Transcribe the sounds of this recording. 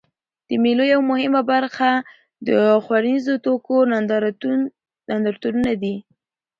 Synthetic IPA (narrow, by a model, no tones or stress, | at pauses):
d̪̥əmelojawmʊhɪmabaɾxa | d̪əxwaɾanizot̪okond̪ | nand̪aɾt̪uɾunad̪i